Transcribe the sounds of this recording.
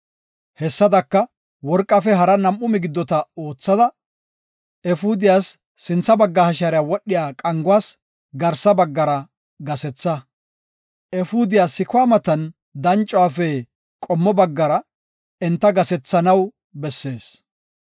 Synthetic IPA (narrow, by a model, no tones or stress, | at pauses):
hɛsːɐd̪ɐkːɐ | wɔɾkʼːɐfɛɦɐɾɐnɐmʔːʊmɪɡɪd̪ːɔt̪ɐo̞ːt͡sːɐd̪ɐ | ɛfud̪ɪjaːsː | ɪnt͡sːɐbɐɡːɐhɐʃɐɾɪjaːwɔɗːɪjaːkʼɐŋɡʊwaːs | ɡɐɾsɐbɐɡːɐɾɐ | ɡɐsɛt͡sːɐ | ɛfud̪ɪjaːsɪkwaːmɐt̪ɐn | d̪ɐnt͡ʃʼːʊwaːfɛ | kʼɔmːɔbɐɡːɐɾɐ | ɛnt̪ːɐɡɐsɛt͡sːɐnɐw | bɛsːe̞ːs